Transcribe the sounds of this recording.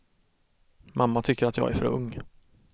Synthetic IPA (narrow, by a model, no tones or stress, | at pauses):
mʔamːat̪ʰʏkːəɾat̪jɑ̰ːɡæ̰ɾfœ̰ɾɵ̰ŋː